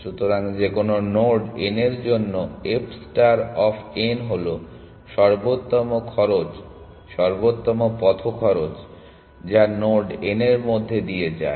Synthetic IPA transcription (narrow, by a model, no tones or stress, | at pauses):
ʃut̪ʰoɾaŋd͡ʑekononoɾɖeneɾd͡ʑonːoepsʈaɾɔfʰenɦolo | ʃɔɾbot̪ːɔmokʰɔɾot͡ɕ | ʃɔɾbot̪ːomopɔt̪ʰokʰɔɾot͡ɕ | d͡ʑanoɾɖeneɾmod̪ʱːed̪ied͡ʑa̰e